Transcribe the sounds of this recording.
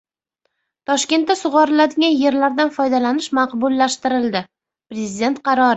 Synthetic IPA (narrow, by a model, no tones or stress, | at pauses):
t̪ʰɒʃkʲe̞nt̪ːasʊʁɒɾɪlad̪ɪɡʲanje̞ɾlaɾd̪anfɒjd̪alanɪʃmɑqbʊlˠːaʃt̪ɪɾɪld̪ɪ | pɾezɪd̪e̞nt̪̚qʰɑɾɒɾ